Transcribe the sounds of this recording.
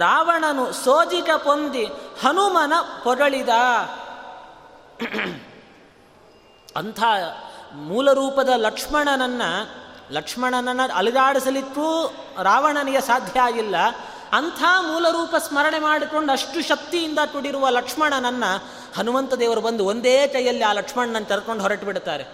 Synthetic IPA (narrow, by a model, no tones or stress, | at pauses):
ɾaːʋɐɳɐnusoːd͡ʒikɐpond̪ihɐnumɐnɐpɔɾɐɭid̪ɐː | ɐ̰nt̪ʰaːmuːlɐɾuːpɐd̪ɐlɐkʂmɐɳɐnɐnːɐlɐkʂmɐɳɐnɐnːɐɐliɡaːɽisɐlit̪ːɾuː | ɾaːʋɐɳɐniɡesaːd̪ʱjɐaːɡilːɐ | ɐnt̪ʰaːmuːlɐɾuːpɐsmɐɾɐɳe̞maːɽiko̞ɳɖɐʂʈuʃɐk̚t̪ijind̪ɐtuɽiɾuʋɐlɐkʂmɐɳɐnɐnːɐ | hɐnuʋɐnt̪ɐd̪eːʋɐɾubɐnd̪uond̪eːt͡ʃɐjɐlːiaːlɐkʂmɐɳɐnɐnːɐt͡ʃɐɾɐko̞ɳɖɦɔɾɐʈbiɽt̪aːɾe